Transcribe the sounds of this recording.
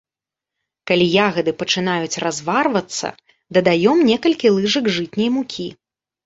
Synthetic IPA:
kalʲijaɣɐd̪ɨpɐt͡ʂɨn̪ajut͡sʲrazvarvɐt̪sːɐ̰ | d̪ɐd̪ajɔmnʲɛkɐlʲkʲilˠɨʐɐɡʐɨt̪ʲnʲɐjmukʲi

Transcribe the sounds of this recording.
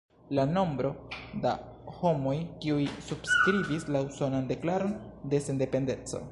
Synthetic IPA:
lano̞mbɾo̞da | ho̞mo̞jkiujsub̥skɾivislauso̞nande̞klaɾo̞nde̞sende̞pe̞nde̞t͡so̞̰

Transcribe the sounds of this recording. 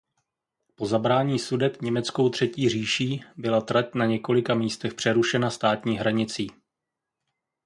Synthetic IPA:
po̞zabɾaːɲiːsudɛt̪ɲɛmɛtt͡sko̞wt̪r̝̥ɛciːr̝iːʃiːbɪlat̪ɾac̚naɲɛko̞lɪkamiːst̪ɛxpr̥ɛɾuʃɛnast̪aːt̪ɲiːɦɾaɲɪt͡siː

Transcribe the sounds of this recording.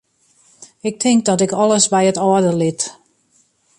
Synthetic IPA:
ɪk̚tʰɪŋk̚dɔtɪkɔlˠəsbɛjətɔːdəlɪt

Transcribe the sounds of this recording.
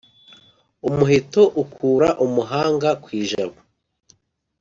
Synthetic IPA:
umuɦitoʔukʰuːɾaʔumuɦaːŋɡakwiːʒaβo

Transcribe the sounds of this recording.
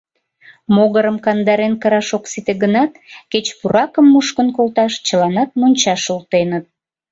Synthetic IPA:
moɣəɾəmkɑnd̪ɑɾenkəɾɑʃoksit̪eɣənɑt̪ket͡ɕpuɾɑkəmːuʃkənkolt̪ɑʃt͡ɕəlɑnɑt̪̚monʲt͡ɕɑʃult̪enət̪̚

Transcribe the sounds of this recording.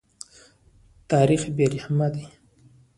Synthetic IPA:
t̪ɑɾixbeɾihmad̪i

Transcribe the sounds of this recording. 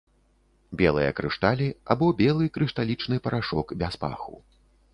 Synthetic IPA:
bʲɛlˠɨjɐ̰kɾɨʂt̪alʲia̰bɔbʲɛlˠɨkɾɨʂt̪alʲit͡ʂnɨpɐɾʔaʂɔkbʲaspa̰xṵ

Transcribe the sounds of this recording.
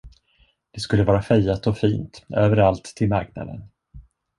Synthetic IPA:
d̪̥ɛskɵlːəvɑːɾafɛjat̪ɔfiːnt̪øːvəɾalt̪ʰːɪlmaɾkna̰d̪ə̰n

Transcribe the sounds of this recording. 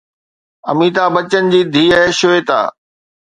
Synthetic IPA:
ɐ̰miːt̪aːbɐt͡ɕənɪ̆d͡ʑiːd̪ʱiːəɦʃoeːt̪a̰ː

